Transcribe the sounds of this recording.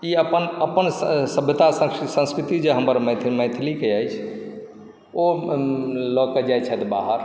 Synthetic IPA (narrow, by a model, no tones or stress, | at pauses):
iəpənəpənsəbʱjət̪asəsə̃skɾit̪id͡ʒeɦəməɾmət̪ʰmə̃jt̪ʰlikeəjt͡ʃʰ | o | lɔkəd͡ʒajt͡ʃʰɛt̪baɦəɾ